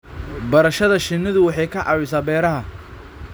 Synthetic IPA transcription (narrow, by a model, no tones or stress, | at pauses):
bɐɾɐʃɐðɐʃɪnɪðʊwɑħɑjkʰɐʕʔɑ̰wɪsaːbɛːɾɐɦɐ